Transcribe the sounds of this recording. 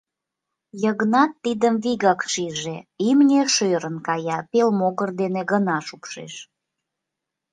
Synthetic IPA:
jəɣnɑt̪ːid̪əmviɣɑkʃiʒeimnʲeʃøɾənkɑjɑpelmoɣərd̪eneɣənɑʃukʃḛʃ

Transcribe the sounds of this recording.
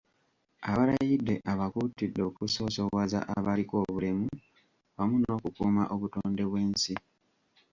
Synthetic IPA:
aβaɾajidːe̞ʔaβakutidːo̞kuso̞ːso̞waza̰ʔaβaliko̞ːβulemu | βamuno̞ːkukuːma̰ʔo̞βutoːnde̞βwe̞ːnsi

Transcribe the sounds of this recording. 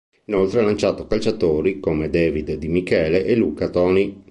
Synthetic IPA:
inolt̪ɾealant͡ʃaːt̪okalt͡ʃat̪oːɾikomed̪ɛːvid̪d̪imikɛːleʔeluːkat̪ɔːni

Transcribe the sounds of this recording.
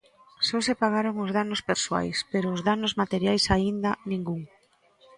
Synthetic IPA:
sosepaɣaɾoŋʊzðanʊspeɾswa̰jspeɾoːzðanʊzmat̪eɾjajsaind̪anĩŋɡuŋ

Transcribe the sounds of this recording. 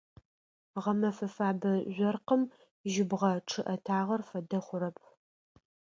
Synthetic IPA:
ʁɐmɐfɐfaːbɐʑʷɔrqəm | ʒɪbʁɐʈ͡ʂʰɨʔɐtʰaːʁɐrfɐdɐχʷʊɾɐp̚ʰ

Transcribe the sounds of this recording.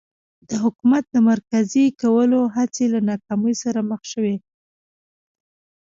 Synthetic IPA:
d̪̥əɦʊkumat̪̚d̪əmaɾkazikawəloɦat͡selanɑkɑməjsaɾaməxʃəwe

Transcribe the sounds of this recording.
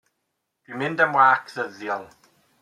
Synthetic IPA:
d̥winmɪndəmwaːkʰðəðjɔlˠ

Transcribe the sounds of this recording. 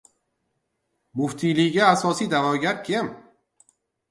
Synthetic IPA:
mʊft̪ʰilɪɡʲaːsɒsid̪avɒɡʲaɾkʲʰem

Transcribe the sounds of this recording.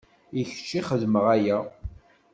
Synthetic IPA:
iç̥t͡ʃːiχəðməʁæjæ

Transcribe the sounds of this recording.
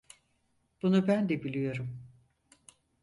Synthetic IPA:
b̥unubænd̪ɛbilʲijo̞ɾum

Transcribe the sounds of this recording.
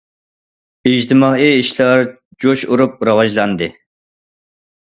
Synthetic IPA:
id͡ʒt̪ʰɨmɑːiiʃlˠɑɾ | d͡ʒoʃuɾup̚ɾɑwɑʒlˠɑnd̪ɨ

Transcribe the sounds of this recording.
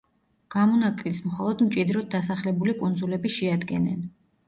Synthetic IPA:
ɡ̥amɔnakʼlismχɔlˠɔd̪mt͡ʃʼid̪ɾɔd̪̚d̪ːasaχlɛbulikʼund̪zulɛbiʃɛad̪ɡɛnɛ̰n

